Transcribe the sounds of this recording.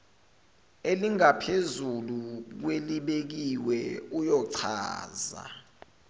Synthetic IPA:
eliŋapʰezuluk̬weliɓek̬iwɛujɔǀʰa̰ːza̰

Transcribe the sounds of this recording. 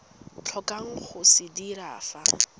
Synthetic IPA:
t͡ɬʰɔkʼaŋ̩χʊsɪdiɾa̰ːfa

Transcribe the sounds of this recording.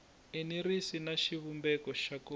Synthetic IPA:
eniɾisinaʃiβumbɛkɔʃako

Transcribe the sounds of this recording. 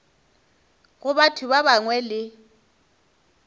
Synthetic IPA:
ɣʊβatʰuβaβaŋwɛlɪ

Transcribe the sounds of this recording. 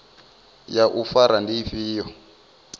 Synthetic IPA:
jaʔufaɾandifiːjɔ

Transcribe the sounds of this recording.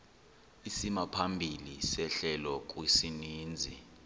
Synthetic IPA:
isimapʰambʱilisɛɬɛlɔk̬ʼwisiniːnd͡zʱḭ

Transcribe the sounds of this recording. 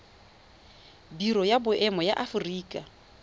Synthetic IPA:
biɾɔjabʊʔɛmɔjaʔafʊriːkʼa

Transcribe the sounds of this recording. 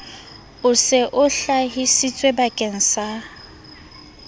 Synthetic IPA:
ʊsɪʔʊɬaɦisit͡sʼwebakʼen̩sa

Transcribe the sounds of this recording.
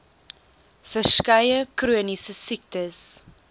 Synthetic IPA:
fərskɐjəkruənisəsik̚təs

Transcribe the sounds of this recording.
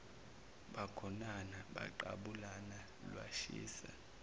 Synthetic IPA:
ɓaɡ̥ʰʱɔnanaɓa̰ǃa̰ɓulana | lwa̰ʃḭːsa̰

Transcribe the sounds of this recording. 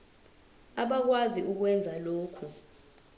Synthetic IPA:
aɓak̬waziʔuk̬wɛnd͡zʱaloːkʰu

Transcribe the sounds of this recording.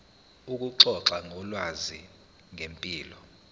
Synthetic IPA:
uk̬ʼuǁɔǁaŋɔlwazi | ŋempʼiːlɔ

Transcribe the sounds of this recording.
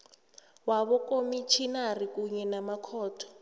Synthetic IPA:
waβɔkomit͡ʃʰinarikuɲɛnamakʰɔːtʰɔ̥

